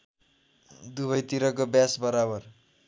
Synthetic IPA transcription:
d̪uβʌjt̪iɾʌkobjasbʌɾabʌr

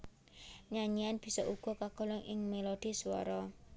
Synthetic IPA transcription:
ɲaɲianb̥i̤sɔʔuɡ̥ɔ̤kaɡ̥ɔ̤lɔŋʔɪŋmelod̪̥i̤swɔ̰ɾɔ

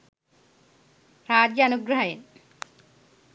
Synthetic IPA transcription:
ɾaːd͡ʒjɐɐnuɡɾɐɦɐjen

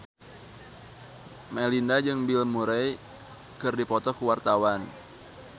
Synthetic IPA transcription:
mɛlindad͡ʒɨŋbilmuɾɛj | kɨrdipɔt̪ɔkuwart̪awan

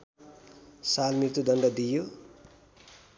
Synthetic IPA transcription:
salmirt̪ud̪ʌɳɖʌd̪ijo

